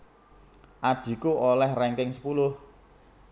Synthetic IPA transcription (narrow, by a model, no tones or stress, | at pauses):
ʔaɖ̪̥i̤kuʔolɛhrɛŋkɪŋsə̥pulʊh